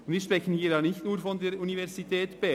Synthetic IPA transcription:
ʊndviːʃpʁɛçən̩hiːɾjɑːnɪçtnuːɾfɔndeːɾunivɛʁzitʰɛːtb̥ɛ

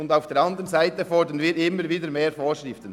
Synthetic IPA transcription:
ʊndaʊfd̥eːɾɑndəʁənzaɪttəfɔɹdənviːɾɪmːəɾviːdəmeːɾfoːɾʃʁɪftən

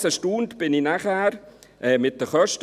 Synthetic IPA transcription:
səʃtundb̥ɪninaχæːɾʔɛːmɪt̚d̥əχœʃt

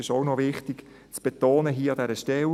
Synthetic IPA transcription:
ɪʃɔwnɔʋɪχt̪ɪɡ̥ | t͡sb̥et̪oːnəɦiːəɑd̪ɛɾəʃtɛl

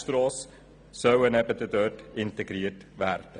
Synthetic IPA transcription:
st̪rɑːs | səwənɛpətətœtintəɡɾiərtvært

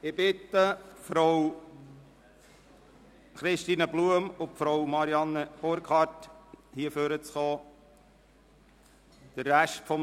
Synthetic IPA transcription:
ɪb̥ɪt̪əfɾow | χɾɪʃtiːnəbluəmʊpfɾowmɑɾiɑnːəb̥oɾkʰɑɾthiəføɾət͡sχɔː | d̥ərːæʃtfɔm

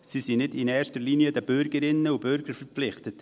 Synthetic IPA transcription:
sisinɪdɪnɛːɾʃtəɾliniədəb̥ʏɾɡəɾɪnːəub̥ʏɾɡ̥əɾfəɾpflɪχtət

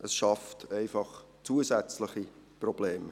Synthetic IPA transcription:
ʔəsʃɑftæɪfɑχ | t͡suəzɛt͡slɪχiprɔb̥leːm

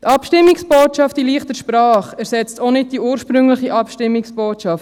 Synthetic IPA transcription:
tɑpʃtɪmːɪksb̥oːtʃɑftiliːχtəʃpɾɑːχæɾsɛt͡stonɪd̚d̥iuːɾʃpɾʏŋləχiʔɑpʃtɪmːɪksb̥oːtʃɑft

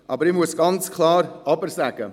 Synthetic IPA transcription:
ʔɑːbəɾimuəsɡ̥ɑnt͡skʰlaːɾɑbəɾsɛɡə

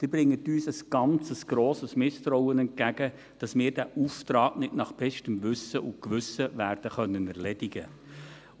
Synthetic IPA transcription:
d̥ɪbɾɪŋːətyːsəsɡ̥ɑnt͡səsɡ̥ɾoːsəsmɪst̪ɾɔwənɛnt̚ɡ̥æɡ̥ə | d̥ɑsmɪːɾd̥æʔuːftɾɑːknɪtnɑχb̥ɛʃtəmʋʉsəʔʊkʋʏsəʋæːɾd̥əχœnːənɛɾlɛdɪɡə

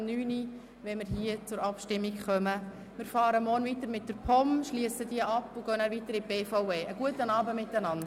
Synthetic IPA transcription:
nyːni | ʋɛnmɪɾɦiət͡sʊɾɑpʃtɪmːikχœmə | mɪɾfɑːɾəmɔɾnʋitəɾmɪt̚d̥əɾpʰɔmʃliəsədiəʔɑpːʊɡ̥œnæːɾvʋitəɾib̥eːfaʊeːəɡ̥uətənɑːbəmɪtːænɑnd

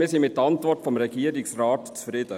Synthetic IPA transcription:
mɪːsɪnmɪtːəɑntʋɔɾtfɔmɾɛɡiːəɾɪksrɑːtt͡sfɾɪd̥ə

